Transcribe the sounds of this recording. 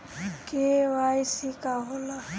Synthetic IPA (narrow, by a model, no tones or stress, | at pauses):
keʋaːjsikaɦola